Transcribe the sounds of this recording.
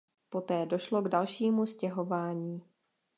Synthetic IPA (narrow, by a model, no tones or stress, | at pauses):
po̞t̪ɛːdo̞ʃlo̞ɡdalʃiːmuscɛɦo̞vaːɲiː